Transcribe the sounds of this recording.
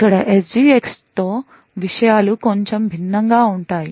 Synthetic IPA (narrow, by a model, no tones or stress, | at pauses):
kːɐɽɐʔesd͡ʒiːekst̪oː | ʋiʂɐjaːlukoɲt͡ʃembʱinːɐŋɡaːuɳʈaːji